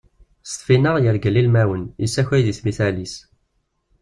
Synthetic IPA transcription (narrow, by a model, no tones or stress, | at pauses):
st̪finəʁjəɾɡəlːilmæwənisːæçæjðiθmiθælis